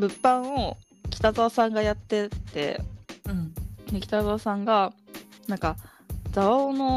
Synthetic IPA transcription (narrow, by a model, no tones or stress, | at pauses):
bɯ̟pːãɰ̃o | kʲi̥t̪ad̪o̞ːsãŋɡajat̪ːe̞t̪ːẽ̞̰ | ekʲi̥t̪ad̪o̞ːsãŋɡanãŋka | d͡zaoːno